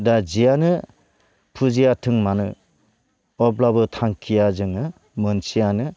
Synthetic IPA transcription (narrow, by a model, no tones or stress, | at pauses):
dad͡ʒijanɯ | pʰuzijatʰɯŋmanɯ | ɔblabɯtʰaŋkʰijazɯŋɯ | mɯnsijanɯ